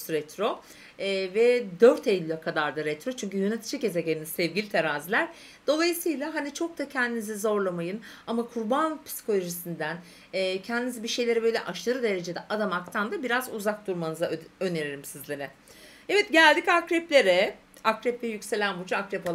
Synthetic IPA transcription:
ɾɛt̪ʰɾo̞ | ɛvɛd̪øɾt̪ʰejlʲːakʰad̪aɾd̪aɾɛt̪ɾo̞t͡ʃʰyɲcyjø̞net̪ʰi̥d͡ʒice̞zeɟelʲinisɛvɟilʲit̪ʰeɾaːzilʲæɾ̥ | d̪̥o̞lˠajɯsɯjlˠaɦanit͡ʃʰo̞k̚d̪acʰɛnd̪inizizo̞ɾlˠamajɯnamakʰuɾbanpʰi̥si̥kʰo̞lʲˠo̞ʒisind̪ænː | cʰɛnd̪inizibiʃe̞jlʲe̞ɾibøjlʲɛʔaʃlˠaɾɯd̪e̞ɾe̞d͡ʒe̞d̪ɛʔad̪amakt̪ʰand̪abiɾazuzak̚d̪uɾmanɯzaøne̞ɾilʲimsizlʲeɾɪ | ɛvɛt̪̚ɟælʲd̪icakɾɛplʲe̞ɾɛ | akɾɛplʲejycse̞lʲænbud͡ʒuakɾɛpolˠ

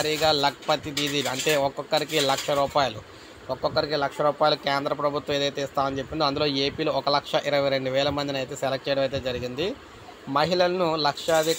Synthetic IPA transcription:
ɾiːɡaːlɐk̚pɐt̪id̪id̪iːlɐɳʈe̞ːɔkɔkːɐɾikilɐkʂɐɾuːpaːjɐlu | ɔkːɔkːɐɾikilɐkʂɐɾuːpaːjlukeːnd̪ɾɐpɾɐbʱut̪ʋɐ̃meːd̪ɐjt̪e̞ːst̪aːʋɐnit͡ʃe̞pːind̪oɐnd̪ulo̞ːe̞ːpiːloɔkɐlɐkʂɐʔiɾɐʋɐjɾe̞ɳɖuʋɛːlɐmɐnd̪inɐjt̪e̞ːselek̚ʈ̚t͡ʃɛjɽɐmɐjt̪̬e̞ːd͡ʒɐɾiɡind̪i | mɐɦiɭɐlɐnulɐkʂɐɐd̪i

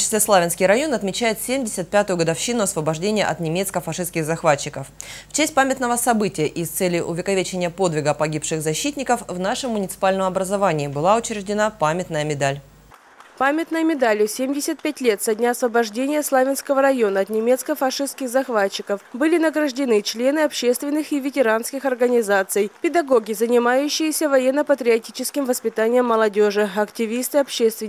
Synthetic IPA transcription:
t͡ɕɪ̥slʲeslˠavʲɪnskʲɪjɾɐjo̞nɐt̪mʲɪt͡ɕæjɪt̪sʲemʲdʲɪsʲət̪̚pʲat̪ʊjʊɡəd̪ɐfɕinʊɐsvəbɐʐdʲenʲɪjə̰ʔɐt̪nʲɪmʲe̞t̪skəfɐʂɨskʲɪɣzɐxvat͡ɕːɪkəfft͡ɕæsʲt̚ʲpamʲɪt̪nəvəsɐbɨtʲɪjəʔɪst̪sɛlʲɪʔʊvʲɪkɐvʲet͡ɕɪnʲɪjəpo̞d̪vʲɪɡəpɐɡʲipʂɨɣzɐɕːit̪ʲnʲɪkəfvnaʂɨmːʊnʲɪt̪sɨ̥palʲnəmɐbɾəzɐvanʲɪːbɨlˠaʊt͡ɕɾʲɪʐdʲɪnapamʲɪt̪nəjəmʲɪd̪alʲ | pamʲɪt̪nəjəmʲɪd̪alʲʊsʲemʲdʲɪsʲət̪̚pʲætʲlʲe̞t̪sɐdʲnʲaɐsvəbɐʐdʲenʲɪjəslˠavʲɪnskəvəɾɐjo̞nəɐt̪nʲɪmʲe̞t̪skəfɐʂɨst̪kʲɪxzɐxvat͡ɕːɪkəfbɨlʲɪnəɡɾəʐdʲɪnɨt͡ɕlʲe̞nɨɐpɕːe̞st̪vʲɪnːɨxɪvʲɪtʲɪɾanskʲɪxɐrɡənʲɪzat̪sɨjpʲɪd̪ɐɡo̞ɡʲɪzənʲɪmajʉɕːɪjɪsʲəvɐjenːəpət̪ɾʲɪɐtʲit͡ɕɪskʲɪmvəspʲɪt̪anʲɪjəmːəlˠɐdʲo̞ʐɨɐktʲɪvʲist̪ɨɐpɕest̪vʲɪ

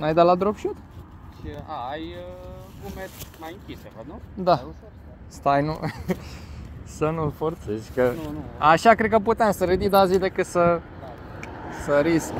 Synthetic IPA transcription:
najd̪elad̪ɾobʃut̪ | ʃia̰aj | ɡumemajɨŋkʲisevəd̪nud̪a | st̪ajnṵ | sənulfort̪sezʲkəaʃakɾed̪̚kəput̪eamsəɾed̪id̪azid̪ekɨt̪sə | səɾisk

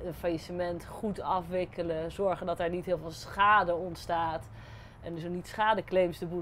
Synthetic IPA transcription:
ənfajisəmɛntχutɑfʋɪkələzɔɹχəndɔtɛɹnitɦɪːlˠvɪːlˠsχaːdəɔntstaːt | ɛndsonitsχaːdəklejmsdəbu

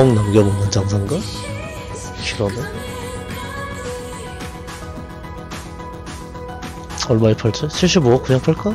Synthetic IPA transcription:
ʌŋnamɡemʌnɯnd͡ʑaŋsʰaŋɡa | ɕʰiɾʌnɯ | ʌɭmaipʰaɭt͡ɕ͈ɯɕʰiɭɕ͈imoʌkɯɲaŋpʰaɭk͈a

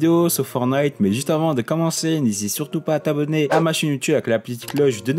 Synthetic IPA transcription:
d̪eosɔfɔʁnajt̪mɛʒyst̪avɑ̃d̪əkɔmɑ̃senezit̪syʁt̪upaːt̪abɔneamaʃinjut̪ybaɛklapɔlit̪i̥klɔʒd̪ən

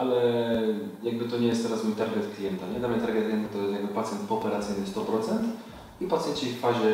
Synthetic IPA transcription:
alɛ | jaɡ̚bɘt̪ɔɲɛjɛst̪ːɛɾasmujt̪aɾɡɛt̪klʲijɛnt̪aɲɛd̪amɲɛt̪aɾɡʲɛt̪̚klʲiɛnt̪at̪ɔjɛst̪jaɡbɘpat̪sʲjɛnt̪pɔːpɛɾat̪sʲɘjnɘfst̪ɔpɾɔt̪sɛnt̪ | ipat̪sjɛnt͡ɕiffaʑɛ

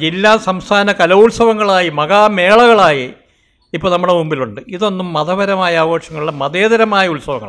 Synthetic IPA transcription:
d͡ʑilːaːsɐmst̪ʰaːnɐkɐlɐulsɐʋɐŋːɐɭaːjimɐɣaːme̞ːɭɐɣɐɭaːji | ipːoːnɐmːuɽemumbiluɳɖɨiðo̞nːumːɐðɐʋɐɾɐmaːjɐaːʋoːʂɐŋːɐɭiɭːemɐðeːðɐɾɐmaːjɐulsɐʋɐ̰ŋːɐ̰

